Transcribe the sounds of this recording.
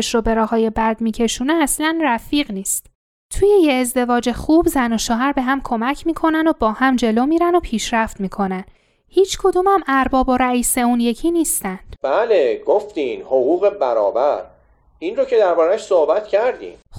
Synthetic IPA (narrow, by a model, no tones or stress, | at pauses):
ʃɾobe̞ɾɒːhɒːje̞bæd̪miːcʰe̞ʃuːneæslænræfiːɣniːst̪ | t̪ʰuːje̞jeːzd̪e̞vɒːd͡ʒe̞xubzænoʃoːɦæɾbe̞ɦæmkʰo̞mæcʰmiːkʰo̞nænd̪obɒːhæmd͡ʒe̞lomiːɾænd̪opʰiːʃɾæft̪miːkʰo̞næn | hiːt͡ʃʰkʰod̪uːmhæmʔæɾbɒːbo̞ɾæiːse̞unje̞cʰiniːst̪ænd̪̥b̥æːleɡoft̪iːnhoɣuːɣebæɾɒ̰ːbæɾ | inrocʰe̞d̪æɾbɒːɾæʃsohbæt̪cʰæɾd̪ḭːm